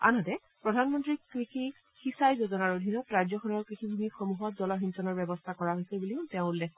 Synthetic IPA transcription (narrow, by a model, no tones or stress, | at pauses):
a̰nɔtɛ | pɹɔdʱanmɔntɹikɹixi | xisajzozɔnaɹodʱinɔtɹajzɔkʰɔnɔɹkɹixibʱumixomuɦɔtzɔlɔɦinsɔnɔɹbɛbɔstʰakɔɹaɦojsebuliʊtɛʊ̃ulːɛk̚